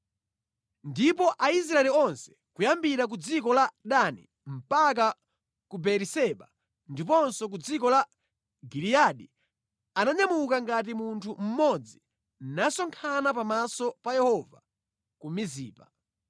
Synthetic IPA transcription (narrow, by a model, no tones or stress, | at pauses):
ndipɔʔais̬ɾaɛliɔnsɛ̥kujambiɾak̬ud͡zikɔlaɗanḭ | m̩pak̬a | kubɛɾisɛɓa | ndipɔnsɔk̬ud͡zikɔla | ɡilijaɗi | anaɲamukaŋɡat̬imuntʰum̩mɔd͡zi | nasɔŋkʰanapamasɔpajɛhɔva̰ | kumizḭːpa